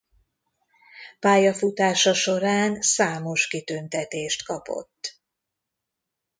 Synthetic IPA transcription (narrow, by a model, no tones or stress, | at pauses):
paːjɒfut̪aːʃɒʃo̞ɾaːnsaːmo̞ʃkit̪ønt̪ɛt̪eːʃt̪kɒpo̞̰t̪ː